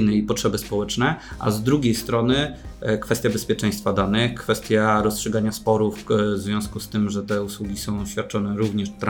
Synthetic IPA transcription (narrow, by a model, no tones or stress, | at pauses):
nɘipɔtʂɛbɘspɔwɛt͡ʂnɛʔa̰zd̪ɾuɡʲejst̪ɾɔnɘkfɛst̪ʲjabɛspʲjɛt͡ʂɛ̃j̃st̪fad̪anɘxkfɛst̪ʲjaɾɔstʂɨɡaɲaspɔɾufzvʲjɔ̃w̃skust̪ɘmʐɛt̪ɛuswuɡʲisɔ̃w̃ɕfʲjat̪̚t͡ʂɔnɛɾuvɲɛʂt̪ɾ